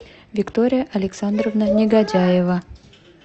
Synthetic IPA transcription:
vʲɪkt̪oɾʲɪjəʔɐlʲɪksand̪rəvnənʲɪɡɐdʲajɪvə

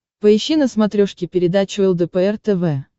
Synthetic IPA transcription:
pəɪɕːinəsmɐt̪ɾʲoʂkʲɪpʲɪɾʲɪd̪at͡ɕʊɛlˠd̪əpəɛrt̪ɛvɛ

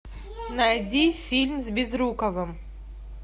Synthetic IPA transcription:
najdʲifʲilʲmzbʲɪzɾukɐvɨm

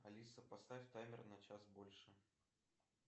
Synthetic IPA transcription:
ɐlʲisəpɐst̪aɪfʲt̪amʲɪrnɐt͡ɕasbo̞lʲʂɨ

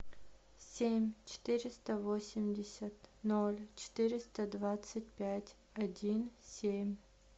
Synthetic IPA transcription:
sʲemʲt͡ɕɪ̥t̪ɨɾʲɪst̪əvosʲɪmʲdʲɪsʲət̪nolʲt͡ɕɪ̥t̪ɨɾʲɪst̪əd̪vat̪sɨt̚ʲpʲætʲ | ɐdʲinsʲemʲ

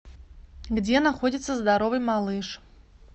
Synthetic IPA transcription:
ɣd͡zʲɛnaxɔd͡zʲit̪sːɐzd̪aɾɔvɨjmalˠɨʂ

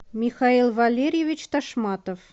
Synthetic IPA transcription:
mʲixailˠvalʲeɾʲjevʲɪt͡ɕt̪aʂmɑt̪əf

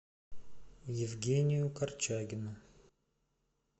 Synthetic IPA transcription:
jɪvɡʲenʲɪjʊkɐrt͡ʃaɡʲɪnʊ

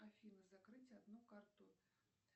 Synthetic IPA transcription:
afʲinɨzakrɨtʲad̪nukart̪u

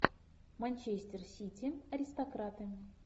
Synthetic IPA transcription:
mɐnʲt͡ɕesʲt̪ʲɪrsʲitʲiɐɾʲɪst̪ɐkɾat̪ɨ

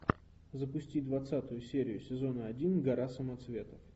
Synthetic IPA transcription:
zəpʊsʲtʲid̪vɐt̪sat̪ʊjʊsʲeɾʲɪjʊsʲɪzo̞nəɐdʲinɡɐɾasəmɐt̪svʲe̞t̪əf

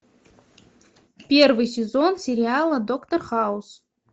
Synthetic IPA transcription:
pʲervɨjsʲɪzonsʲeɾʲɪalˠəd̪okt̪orχaus

